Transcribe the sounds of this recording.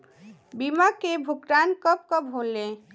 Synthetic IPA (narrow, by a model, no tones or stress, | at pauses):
bimakebʱukɾankəp̚kəbɦolːe